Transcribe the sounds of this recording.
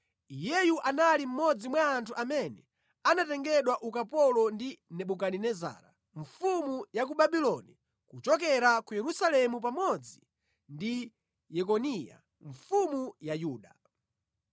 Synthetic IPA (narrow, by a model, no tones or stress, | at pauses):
ijɛjuʔanalim̩mɔd͡zimwaːntʰuʔamɛnɛ | anatɛŋɡɛɗwaʔukapɔlɔndinɛɓukaninɛza̰ːɾa̰ | ɱfumujak̬uɓaɓilɔni | kut͡ʃɔk̬ɛɾakujɛɾusalɛmupamɔd͡zi | ndi | jɛkɔnija̰ | ɱfumujajuːɗa